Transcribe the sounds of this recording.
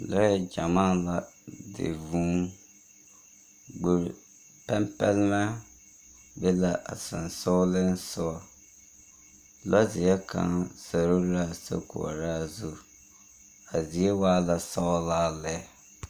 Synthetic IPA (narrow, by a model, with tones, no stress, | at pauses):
lɔ˦jɛ˦d͡ʒa˨maː˦la˨dɪ̰˨vũ˦ | ɡ͡bu˨ɾ | pɛ˦mpɛ˦lma˦ | bɛ˦la˨ʔa̰˨sɪ˨nso˦lɪ˦n˦sʊ˦ɔ˨ | lɔ˦zɪ˨jɛ˦kã̰˦sa˨ɾo˦ɾa˦sa̰˦kʊ̰˨ɾa˦˨zu˦ | a˨zi˨e˦waː˦la˨sa˦laː˦˨lɛ˦˨